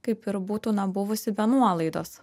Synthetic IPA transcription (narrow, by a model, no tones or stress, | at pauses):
kɐɪpɪɾbuːt̪uːnɐbʊʋʊsʲɪbʲɛnuɔlˠɐɪd̪oːs